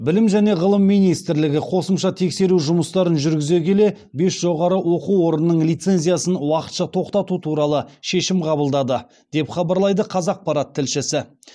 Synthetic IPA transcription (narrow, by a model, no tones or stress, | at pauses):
bɪlɪmʒæne̞ʁəlˠəmːijnijst̪ɪɾlɪɡʲɪqʰo̞səmʃɑt̪ʰe̞kse̞ɾuʒʊməst̪ɑɾənʒʏɾɡʲɪze̞kʲe̞le̞ | be̞sʒ̥o̞ʁɑɾəwo̞quwwo̞ɾənəːəɴlijt̪se̞nzʲijasənwɑqə̥t̪ʃɑt̪ʰo̞qt̪ɑt̪ut̪ʰuɾɑlˠəʃe̞ʃɪmqʰɑbəlˠd̪ɑd̪ə | d̪̥e̞pχɑbɑɾlˠɑjd̪əqʰɑzɑq̚pɑɾɑt̪ʰːɪlʃɪsɪ